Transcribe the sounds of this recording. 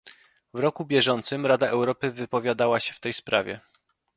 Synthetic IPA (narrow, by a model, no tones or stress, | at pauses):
vɾɔkubʲjɛʐɔnt̪sɘmɾad̪aʔɛwɾɔpɘvɘpɔvʲjad̪awaɕɛft̪ɛjspɾa̰vʲjɛ̰